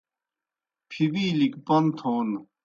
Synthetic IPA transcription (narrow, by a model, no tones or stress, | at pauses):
pʰibiːlikpɐnt̪ʰoːn